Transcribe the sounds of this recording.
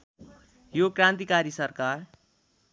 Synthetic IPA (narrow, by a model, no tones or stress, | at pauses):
jokɾãnt̪ikaɾisʌrkar